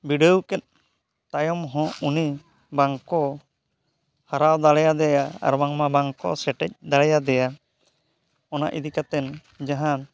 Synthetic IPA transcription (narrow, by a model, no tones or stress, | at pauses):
biɖɛukɛt̪̚ | t̪ajɔmɦɔ̃uni | baŋkɔ | haɾawd̪alɛjad̪ɛjaa̰ɾmaŋmabaŋkɔ̰sɛʈɛc̚d̪alɛjad̪ɛja | ɔna̰ʔid̪ikat̪ɛn | d͡ʒaɦan